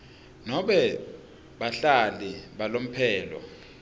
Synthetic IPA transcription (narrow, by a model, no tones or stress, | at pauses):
nɔɓɛ | ɓaɬaliɓalom̩pʰɛːlɔ̰